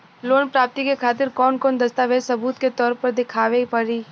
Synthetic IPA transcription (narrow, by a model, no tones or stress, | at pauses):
loːnpɾaːp̚t̪ikekʰaːt̪ɪɾkɔːnkɔːnd̪ɐst̪aːʋeːd͡ʒ̪sɐbuːt̪ket̪ɔːɾpɐɾd̪ɪkʰaːʋepɐɾiː